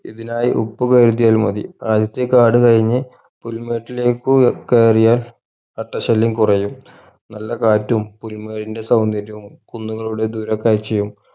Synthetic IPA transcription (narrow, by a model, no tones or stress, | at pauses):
ḭðinaːjiʔṵpːukɐːɾut̪̬ːijaːlmɐðḭaːd̪jɐt̪ːjekaːɽɨkɐɻiɲːɨ | pulme̞ːʈːile̞ːkːukeːrijaːl | ɐʈːɐɕɐlːimkurɐjum | nɐlːɐkaːtːumpulmeːʈinde̞sɐwnɐɾɐʋumkunːuɣɐɭuɽe̞d̪uɾɐkːaːɾt͡ɕejːum